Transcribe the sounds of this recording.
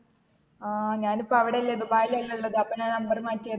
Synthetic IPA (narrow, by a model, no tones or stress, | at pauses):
aːɲaːnipːoɐʋiɽeɐlːɐðubaːjilɐilːɐuɭːɐðɨɐpːonaːnɐmbɐrmaːtːijɐ